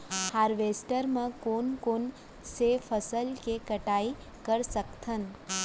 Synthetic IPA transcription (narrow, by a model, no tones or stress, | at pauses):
haɾʋesʈəɾmãkonkon | sefʰəsəlkekəʈai | kəɾsəkt̪ʰən